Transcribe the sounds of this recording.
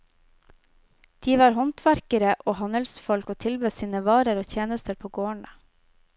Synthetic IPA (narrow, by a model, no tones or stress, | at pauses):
d̪̥iːʋɑːɾhɔnt̪ʰʋæɾkəɾəʔoːhɑnəlsfɔlkoːt̪ʰɪlbøːsiːnəʋɑːɾəɾoːt̪ʰjeːnəst̪əɾpʰoːɡoːəɳə